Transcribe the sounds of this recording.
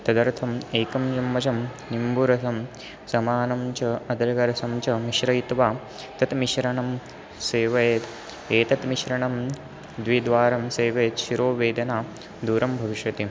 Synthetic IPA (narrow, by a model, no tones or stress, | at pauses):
t̪ɐd̪ɐɾt̪ʰɐmeːkɐmd͡ʒɐmːɐt͡ʃɐmnimbuɾɐsɐm | sɐmaːnɐmt͡ʃɐɐd̪ɐɾɐɡɐɾɐsɐmt͡ʃɐmiʃɾɐjit̪ʋaː | t̪ɐt̪miʃɾɐɳɐm | seːʋɐjet̪ | eːt̪ɐt̪miʃɾɐɳɐm | d̪ʋid̪ʋaːɾɐmseːʋɐjt̪ʃiɾoːʋeːd̪ɐnaː | d̪uːɾɐmbʱɐʋiʃʋɐt̪i